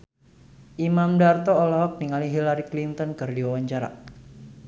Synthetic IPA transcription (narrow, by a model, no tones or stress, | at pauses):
ʔimamdart̪ɔɔlɔɦɔk̚niŋaliɦilaɾiklint̪ɔnkɨrdiwawaɲt͡ʃaɾa̰